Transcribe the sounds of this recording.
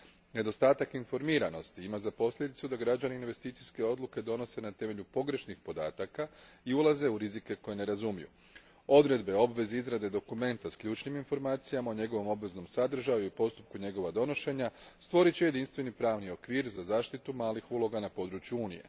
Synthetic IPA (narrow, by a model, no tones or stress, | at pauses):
ne̞d̪o̞st̪aːt̪akinfo̞ɾmiːɾano̞st̪iimazapo̞sʎʲe̞d̪it̪sud̪aɡɾad͡ʑaniːnʋe̞st̪iːt̪sijske̞o̞d̪lˠuke̞d̪o̞no̞se̞nat̪e̞me̞ʎupo̞ɡɾe̞ʃnixpo̞d̪a̰ːt̪akaiulˠaze̞uɾizike̞ko̞je̞ne̞ɾazumijṵ | o̞d̪ɾe̞d̪be̞o̞bʋe̞zeizɾad̪e̞d̪o̞kume̞nt̪askʎʲuːt͡ʃniminfo̞ɾmaːt̪sijamao̞ɲe̞ɡo̞ʋo̞mo̞bʋe̞zno̞msad̪r̩ʒajuipo̞st̪up̚kuɲe̞ɡo̞ʋad̪o̞no̞ʃe̞ɲast̪ʋo̞ɾit͡ɕeje̞d̪inst̪ʋe̞nipɾaːʋnio̞kʋiːɾzazaːʃt̪it̪umaːlixuːlˠo̞ɡanapo̞d̪ɾut͡ʃjuuːnije̞̰